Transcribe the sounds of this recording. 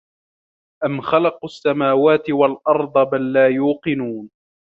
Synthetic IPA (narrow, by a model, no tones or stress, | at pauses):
ʔamxalɑqasːamaːwaːt̪ɪwalʔɑɾˤd̪ˤɑbalːaːjuːqɨnuːn